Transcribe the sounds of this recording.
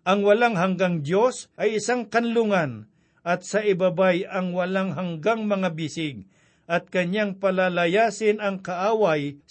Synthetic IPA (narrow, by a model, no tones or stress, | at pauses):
ʔɐŋwɐlaŋɦɐŋɡaŋd̪jo̞sʔɐjɪsaŋkɐnlʊŋan | ʔɐt̪̚sɐʔɪbabajɐŋwɐlaŋɦɐŋɡaŋmɐŋabɪsɪɡ̚ | ʔɐt̪̚kɐɲaŋpɐlalɐjaːsɪnɐŋkɐʔaːwaj